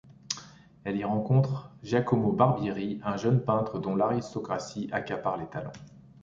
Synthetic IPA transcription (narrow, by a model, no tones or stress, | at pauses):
ɛliʁɑ̃kɔ̃t̪χʒakɔmobaʁbjiʁiɛ̃ʒənpɛ̃t̪χəd̪ɔ̃laʁist̪ɔkχasiʔakʲapaʁlet̪alɑ̰̃